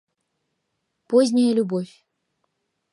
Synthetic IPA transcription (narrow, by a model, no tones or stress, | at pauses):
pozʲnʲajəlʲubofʲ